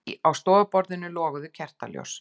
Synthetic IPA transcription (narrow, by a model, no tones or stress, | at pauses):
awst̪ɔːapɔɾðɪnːʏlɔːɣʏðʏcʰɛr̥t̪a̰ljɔ̰ws